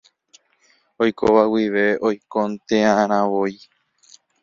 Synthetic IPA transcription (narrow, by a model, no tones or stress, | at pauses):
ojko̰ʋawiʋe̞ojkõnt̪ẽãʔãɾ̃ãʋoj